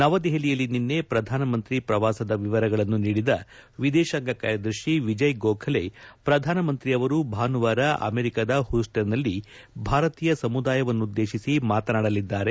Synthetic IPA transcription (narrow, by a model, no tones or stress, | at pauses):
nɐʋɐd̪ɛɦelijɐlːininːe̞pɾɐd̪ʱaːnɐmɐnt̪ɾipɾɐʋaːsɐd̪ɐʋiʋɐɾɐɡɐɭɐnːuniːɽid̪ɐʋid̪ɛːʃɐŋɡɐka̰ːɾjɐd̪ɐɾʃiʋid͡ʒɐjɡoːkʰɐlepɾɐd̪ʱaːnɐmɐnt̪ɾiɐʋɐɾubʱaːnuʋaːɾɐʔɐ̰meːɾikaːd̪ɐhusʈɐɾnɐlːi | bʱaːɾɐt̪iːjɐsɐmud̪aːjɐʋɐnːud̪ːe̞ːʃisimaːt̪ɐnaːɽɐlid̪ːaːɾe̞